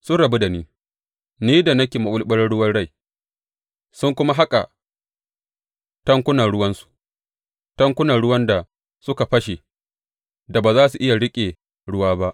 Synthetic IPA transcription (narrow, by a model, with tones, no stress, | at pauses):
sʊ˦nɽɐ˨be˦da˨niː˦ | niː˦da˨nɐ˦kʲeː˨ma˨ɓʷʊ˦lɓɐ˦rɽʊ˦wɐ˦rɽa˦˨j | sʊ˦ŋkʷʊ˦ma˦ɦa˦kʼa̰˨ | tɐ˦ŋkʷʊ˦nɐ˨nɽʊ˦wɐ˦nsu̥˨ | tɐ˦ŋkʷʊ˦nɐ˨ɽʊ˦wɐ˦nda˨ | sʊ˦ka˨ɸɐ˦ʃe˨ | da˨baː˨zaː˦su˨ʔɪ˦ja˨ɽɪ˦kʲʼeː˨ | ɽʊ˦waː˦ba˦ʔ